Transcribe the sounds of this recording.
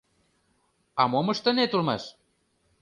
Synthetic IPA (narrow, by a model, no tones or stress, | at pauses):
ɑmomə̆ʃt̪ə̆net̪urmɑʃ